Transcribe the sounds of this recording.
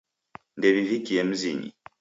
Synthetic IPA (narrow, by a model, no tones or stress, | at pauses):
ndɛβivikiɛm̩ziɲḭ